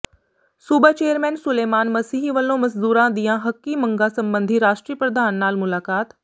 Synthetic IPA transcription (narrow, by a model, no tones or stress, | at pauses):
suːbaːt͡ʃeːjəɾmɛːnsʊleːmaːnməsiːɦiʋəlːõːməsd̪uːɾãːd̪ijãːɦəkːiːməŋɡaːsəmbənd̪ʱiːɾaːʃʈɾiːəpɾəd̪aːnːaːlmʊlaːkaːt̪